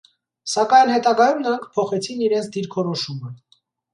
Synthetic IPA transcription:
sɑkɑjnhɛt̪ɑɡɑjumnəɾɑŋkʰpʰɔχɛt͡sʰiniɾɛnt͡sʰd̪iɾkʰɔɾɔʃumə

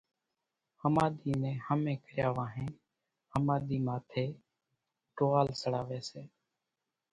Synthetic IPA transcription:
həmaːɗ̪iːnẽːhəmẽːkəɾjaːʋaːɦẽː | həmaːɗ̪iːmaːt̪ʰeː | ʈoːaːlsəɽaːʋeːseː

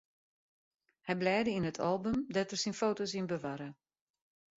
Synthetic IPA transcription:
hɛjblɛːdəinətʰalˠbømdɔtərsinfoːtosinbəʋaɾə

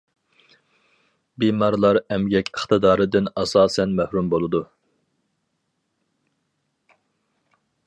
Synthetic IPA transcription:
bimɑɾlˠɑɾɛmɡʲɛkʲəχt̪ɨd̪ɑːɾɨd̪ɪnɑsɑːsɛnmæhɾumbolˠɨd̪u

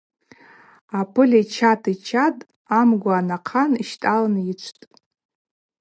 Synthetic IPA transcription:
apʰɨlʲajt͡ʃʰatʰit͡ʃʰatʼ | amɡʷaanaqʰaniʃtʼalnit͡ʃʷʰtʼ

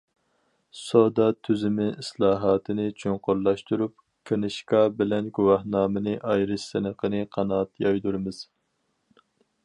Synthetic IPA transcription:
sod̪ɑt̪ʰyzɪmɪislˠɑːɦɑːt̪ʰɨnɨt͡ʃʰoɴqʊɾlˠɑʃt̪uɾup̚ | kʰenɨʃkɑbɪlɛnɡuwɑhnɑːmɨnɨʔɑjɾɨʃsɨnəqʰənɨqʰɑnɑːt̪jɑjd̪uɾɨmɨz̥

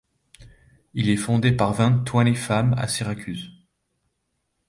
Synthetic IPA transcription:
ilɛfɔ̃d̪epaʁvɛ̃nt̪wanefama̰siʁakʲʰyz

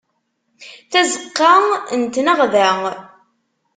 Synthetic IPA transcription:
θæzəqːɑnt̪nəʁðæ

